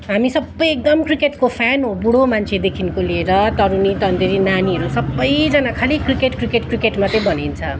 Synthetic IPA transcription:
ɦamisʌbːʌjek̚d̪ʌmkrikeʈkopʰanɦobuɽomant͡sʰed̪ekʰinkolieɾʌt̪ʌɾunit̪ʌnd̪iɾinaniɦʌɾusʌbːʌjd͡zʌnakʰalikrikeʈkrikeʈkrikeʈmat̪ʌ̃bʌnent͡sʰʌ̃

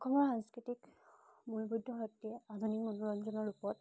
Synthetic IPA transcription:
kʰɔmɔɹɦãnskɹitikmulbudʱːɔɦɔtːiɛad̪ʱunikmɔnuɹɔnzɔnɔɹupɔt

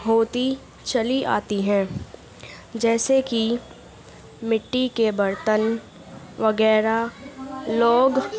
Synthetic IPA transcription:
ɦoːt̪i | t͡ʃɐliʔa̰ːt̪iɦɛ̃ː | d͡ʒɛːseki | mɪʈːikebɐɾt̪ən | ʋɐɡɛːɾa | loːɡ

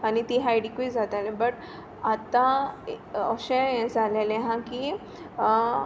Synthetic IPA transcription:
anit̪iːɦajɖikud͡zʱat̪alẽbəʈ | at̪ːã | əɕẽd͡zʱalelẽɦãkiː

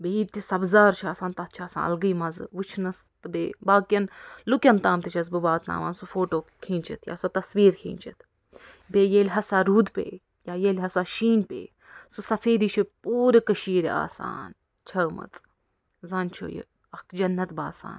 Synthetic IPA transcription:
beiːt̪isɐbzaːɾt͡ʃʰaːsaːnt̪ɐt̪̚ʰt͡ʃʰaːsa̰ːnɐ̰lɡɨimɐzɨʋut͡ʃʰnɐs | t̪ɨbeːbaːkjɐnlukʲɐnt̪aːmt̪ʰit͡ʃʰɐs̬bɨbaːt̪na̰ːʋa̰ːnsufoːʈoːkʰĩːnt͡ʃʰit̪ʰja̰ːsɐt̪ɐsʋiːɾkʰḭːnt͡ʃʰit̪ʰ | beːjelʲɦɐsaːɾuːd̪pḛː | jaːjelʲɦɐsaːʃiːnpḛː | susɐfeːd̪iːt͡ʃʰipuːɾikɐʃiːɾʲa̰ːsa̰ːn | t͡ʃʰɐmɐ̰t͡sʼ | zɐnt͡ʃʰo̰jḭ | ɐkd͡ʒɐnːɐt̪baːsa̰ːn

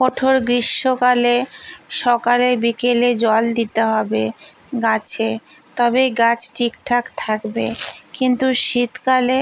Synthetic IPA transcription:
kɔʈʰoɾɡɾiʃːokaleʃɔkaleɾbikeled͡ʑɔld̪it̪eɦɔbe | ɡat͡ɕʰe | t̪ɔbeɡat͡ɕʈʰikʈʰakt̪ʰakbekint̪uʃit̪kale

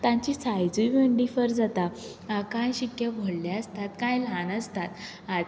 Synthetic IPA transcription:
t̪ãɲt͡ɕisajd͡zujʋeɳɖifəɾd͡zat̪a | akãjɕikjabʱoɽlaəst̪at̪kãjlãnəst̪at̪ | a

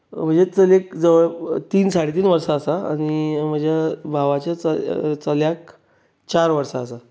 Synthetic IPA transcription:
m̤əɳd͡zet͡səlek̚d͡zəʋɭt̪iːnsaɽ̤it̪̬iːnʋəɾsaːsaa̰ɽ̃im̤əɳd͡zjabʱaʋat͡ɕjat͡sət͡səljak | t͡ɕaɾʋəɾsaːsa

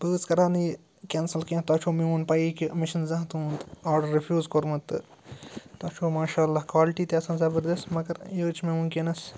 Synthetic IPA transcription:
bəːzkɐɾaːniː | kʲeːnsɐlkẽt̪ɐt͡ʃʰoːmeuːnpɐiːkimɪʃɐnzɐ̃ɦt̪ũːnt̪aːɖɐɾːifʰjuːzkoɾmɐt̪ːɨ̰ | t̪ɐt͡ʃʰoːmaːʃaːlːaːkwaːlɪʈiːt̪eɐsãːzɐbəɾd̪ɐst̪mɐɡɐɾjəːt͡ʃʰmẽunkinɐs

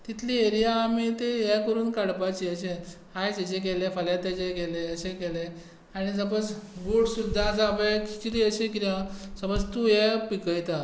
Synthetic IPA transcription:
t̪it̪ʰlieɾijaːmit̪eɦɛkəɾuːnkaɽpat͡ɕiəɕe | ɦajd͡ʑɛt͡ɕek̬ɛlefəljat̪at͡ɕekɛleəɕekɛle | aɽ̃isəpət͡sɡuɽsud̪ʱːat͡sabəki̥t͡ɕɾiəɕẽkit̪ãsəpəd͡zt̪ujɛpikəjt̪a

